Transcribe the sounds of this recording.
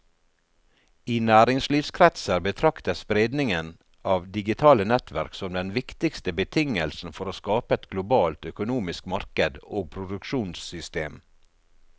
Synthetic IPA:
iːnæːɾɪŋsliːfskʰɾɛt̪səɾbət̪ʰɾɑkt̪əspɾeːd̪nɪŋən | ʔɑːʋd̪ɪɡɪt̪ʰɑːlənɛt̪ʰʋæ̰ɾksɔmd̪ɛnʋɪkt̪ɪkst̪əbət̪ʰɪŋəlsn̩fɔɾoːskɑːpəɛt̪ɡlʊbɑːlt̪œkʊnuːmɪskmɑɾkəd̪oːɡ̚pʰɾʊd̪ʉkʃuːnsʏst̪eːm

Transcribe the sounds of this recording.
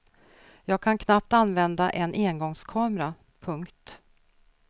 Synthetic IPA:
jɑːɡ̚kʰankʰnap̚t̪anːvɛnd̪aʔɛnʔeːnɡɔŋskʰɑːmɾa | pʰɵŋkt̪

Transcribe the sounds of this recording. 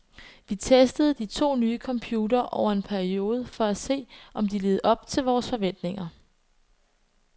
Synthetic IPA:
ʋit͡sʰesd̥əð̞̩ˠd̥it͡sʰo̝̰ːnyːəkʰɒ̽mpʰjuːdɐːʔɒʊ̰ɐe̝npʰæɐio̝ːð̞ˠəfɒ̽æse̝̰ːʔɒ̽md̥ile̝ːð̩ˠɒ̽b̥̚t͡sʰe̝lʋɒːsfɒ̽ʋen̰d̥ne̝ŋɐ

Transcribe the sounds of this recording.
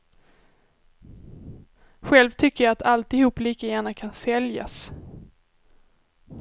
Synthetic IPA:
ɧɛlvt̪ʰʏkːəjɑat̪ʰalt̪ɪhuːpːliːkajæːɳakʰansɛlja̰s

